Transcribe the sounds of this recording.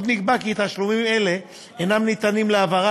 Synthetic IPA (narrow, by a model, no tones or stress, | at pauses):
d̪niɡbakiːt̪aʃlumimele̞ | enamnit̪animleavaʁa